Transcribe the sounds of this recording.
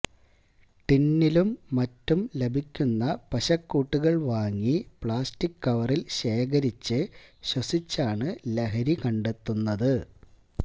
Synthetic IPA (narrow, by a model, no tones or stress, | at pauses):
ʈinːilumːɐtːumle̞bʱikʲːunːɐpɐɕɐkːuːʈːuɣɐɭʋaːŋːipɭaːstikːɐʋɐrilɕe̞ːkɐɾit͡ɕːɨɕwɐsit͡ɕːaːɳɨleɦɐɾikɐɳɖe̞t̪ːunːɐðɨ